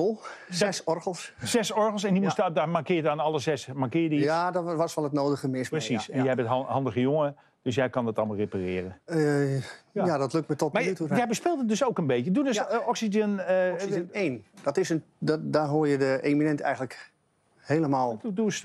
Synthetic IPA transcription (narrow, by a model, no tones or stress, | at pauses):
olˠɛsɔrɣəl̩ˠssɛsɔɹɣəlˠs̬ɛndimustdamakɪːanɑlˠəsɛsmarkɪːədijadʋɔsʋɔlˠətnoːdəɣəmɪsprəsisɛnjəɛbəthɑndəɣəjoŋə | d̥øs̬jɛjkɑndɔtɑlˠmlˠreparɪːərə | jadɔtløk̚tmətɔtmatujɛjbəspɪlˠtət̚døsowkənbeːtədudøsɔksidənəː | ndɔtɪsən | ddaɦoːjədəʔeminɛntɛ̰jɣən̩lək | heːləmaːlˠudus